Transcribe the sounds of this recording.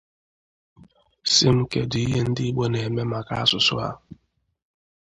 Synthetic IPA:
si˦m̩˦ke˨dʊ˨i˦ɦe˦n̩˦dɪ˦i˦ɡ͡bo˦ne˨me˦ma˨ka˦a˦sʊ˨sʊ̰˦ɦa̰˦

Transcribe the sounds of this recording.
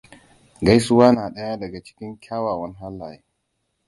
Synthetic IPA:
ɡa˦jsʊ˦waː˦naː˨ɗɐ˦ja˦dɐ˨ɡa˨t͡ʃɪ̥˦kʲɪ˦ŋkʲʰaː˦waː˨wɐ˦ŋɦa˦lːaː˨je˦

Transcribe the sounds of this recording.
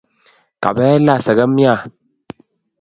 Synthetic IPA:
ka̰˨bɛ˦la˦˨sə˨ɡə˦mja˦˨

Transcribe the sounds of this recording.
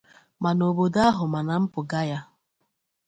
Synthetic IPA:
ma˨no˨bo˨da˦ɦʊ˨ma˨na˨m̩˦pʊ˨ɡa˦ja˦

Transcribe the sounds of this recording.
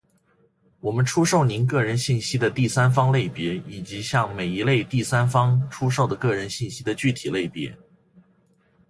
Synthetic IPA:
wɔ˨˩mə˦nʈ͡ʂʰu˥ʂo˥˩ʊni˧˥nk̬ɤ˥˩ɻə˧˥nɕi˥˩nɕi˥d̪ə˨t̪i˥˩sa˥nfɑ˥ŋle˥˩ɪpjɛ˧˥i˨˩t͡ɕi˧˥ɕjɑ˥˩ŋme˨˩ɪi˧˥le˥˧ɪt̪i˥˩sa˥nfɑ˥ŋʈ͡ʂʰu˥ʂ̬o˥˩ʊd̪ə˩kɤ˥˩ɻə˧˥nɕi˥˩nɕi˥d̪ə˨t͡ɕy˥˩t̪ʰi˨˩le˥˩ɪpjɛ̰˧˥

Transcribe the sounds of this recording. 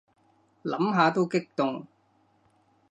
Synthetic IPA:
lɐ̰˨˥mɦaː˨˧t̪o˥wkɪ˥k̚t̪ʊ˨ŋ

